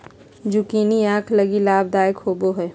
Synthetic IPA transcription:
d͡ʒukiːniãːkʰləɡilaːbd̪aːjəkhoːboɦɛː

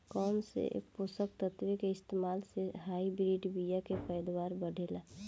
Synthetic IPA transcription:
kɔːmsḛposəkt̪ət̪wekeɪst̪eːmaːlseɦaːibɾiɖbijakepəjd̪waːɾbəɽʱela

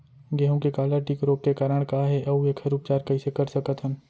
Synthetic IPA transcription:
ɡeːɦõkekaːlaʈiːkɾoːp̚kekaːɾəɽ̃kaɦɛʔɐueːkʰɐɾuːpt͡ʃaːɾkɐisekɐɾsɐkət̪ɦən

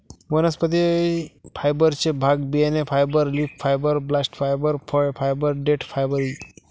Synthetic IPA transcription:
ʋənɐspət̪̬i | pʰajbəɾt͡ʃʰebʱaɡbienepʰajbəɾlipfʰajbəɾblasʈpʰajbəɾpʰɔpʰajbəɾɖeʈpʰajbəɾi

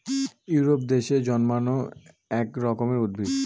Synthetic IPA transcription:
juɾopd̪eʃed͡ʑɔnmano | ɛkɾɔkomeud̪̚bʱid̪

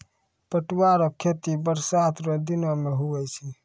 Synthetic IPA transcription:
pəʈwaɾɔkʰːet̪ibəɾsat̪ɾɔd̪inomeɦuwɛt͡ʃʰɛ

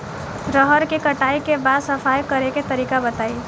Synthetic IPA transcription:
ɾəɦəɾkikɐʈaːikebaːd̪sɐfaːjkɐɾeket̪ɐɾiːkabɐt̪aːi

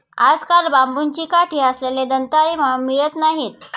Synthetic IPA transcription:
ad͡zkalbambunt͡ɕiːkaʈʰiːəsleled̪ənt̪aɭiməmiɭət̪naɦit̪

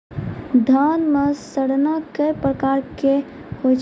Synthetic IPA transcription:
d̪ʱanməsəɽnakəjpɾəkaɾke | hojt͡ʃʰ

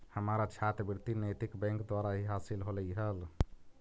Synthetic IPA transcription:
həmaɾat͡ʃʰat̪biɾt̪inet̪ikbɛ̃ŋkd̪waɾaɦiɦasilɦoləjɦəl

